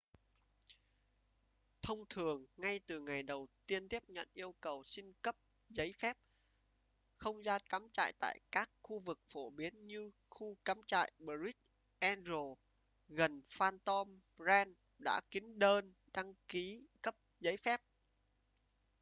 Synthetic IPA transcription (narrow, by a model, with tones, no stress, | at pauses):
t̪ʰə˧wŋ͡mt̪ʰɨ˨˩əŋːa˧jt̪ɨ˨˩ŋa˨˩jɗə˨˩wt̪i˧ənt̪i˦˥əp̚ɲə̰˧˨nʔi˧əwkə˨˩wsi˧ŋkə˦˥p̚ | zə˨˦jfɛ˦˥p̚ | xə˧wŋ͡mzaː˧kaː˨˦mt͡ɕa̰ː˧˨jt̪a̰ː˧˨jkaː˦˥k̚xu˧vɨ˨˩k̚fo˧˩ɓi˨˦ənɲɨ˧ | xu˧kaː˨˦mt͡ɕa̰ː˧˨jɓəː˧zi˦˥t̚ | ʔɛ˧nzo˨˩ | ɣə˨˩nfaː˧nt̪ɔ˧mzɛ˧n | ɗa̰ː˧˥ki˨˦ŋ̟ɗəː˧n | ɗa˧ŋki˨˦kə˦˥p̚zə˨˦jfɛ˦˥p̚